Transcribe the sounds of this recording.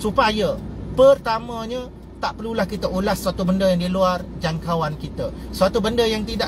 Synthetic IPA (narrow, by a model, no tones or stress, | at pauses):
supajəpərt̪amãɲə̃ | t̪aʔpərlulahkit̪əulasːəat̪ubəndəjaŋdiluard͡ʒaŋkawankit̪əsəat̪ubəndəjaŋt̪idaʔ